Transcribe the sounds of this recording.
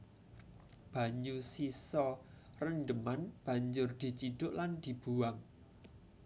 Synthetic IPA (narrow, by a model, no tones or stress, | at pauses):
b̥ä̤ɲusisɔ | rənɖəmanb̥a̤ɲd͡ʒʊrd̪̥i̤t͡ʃiɖ̥ʊʔland̪̥i̤b̥uwaŋ